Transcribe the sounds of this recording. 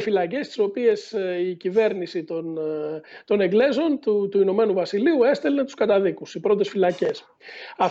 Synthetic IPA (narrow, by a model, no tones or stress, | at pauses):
filɐce̞st̪i̥so̞pie̞sicive̞ɾnisit̪on | t̪o̞neɡle̞zo̞nt̪ut̪uino̞me̞nuvɐsiliue̞st̪e̞let̪u̥skɐt̪ɐðikusipɾo̞t̪̬e̞sfilɐce̞s | ɐ